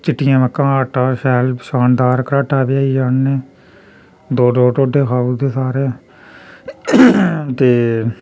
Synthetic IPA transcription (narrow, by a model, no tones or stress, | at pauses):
t͡ʃɪʈːɪjãːməkːãːaːʈaːʃɛːlʃaːnd̪aːɾkəɾaːʈaːbɪjaːiːd͡ʒaːnneː | d̪oːɖoːʈoːɖeːkʰaːuːd̪eːsaːɾeː | t̪eː